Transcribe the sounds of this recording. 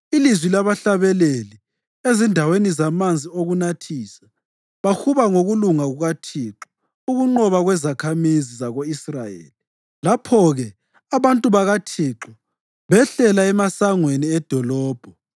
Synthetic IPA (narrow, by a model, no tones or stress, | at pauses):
ilizwilaβaɬaβɛleli | ezindʱawenizamand͡zʱioɣunatʰiːsḁ | βaxuβaŋoɣuluŋaɣuɣatʰiǁɔ̥ | uɣuŋ͡ǃɔβaɣwɛzakʰamizizaɣoisrajḛːli | lapʰɔɣɛ | aβantʼuβaɣatʰiːǁɔ | βɛɬɛlaɛmasaŋweniɛd̥ʱɔlɔːb̥ʱɔ